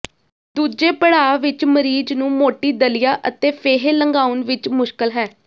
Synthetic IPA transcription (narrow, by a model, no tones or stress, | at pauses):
d̪uːd͡ʒeːpəɽaːʋɪt͡ʃməɾiːd͡ʒnũːmoːʈiːd̪əlijaːʔət̪eːpʰeːɦeːləŋɡaːʊnʋɪt͡ʃmʊʃkəlɦɛː